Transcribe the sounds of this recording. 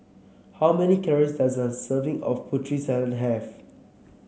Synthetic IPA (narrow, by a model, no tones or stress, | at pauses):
hawmɛnikʰɛɹisdazãnsəvĩŋɔ̰fpʰutʰɹisadə̃nɦɛv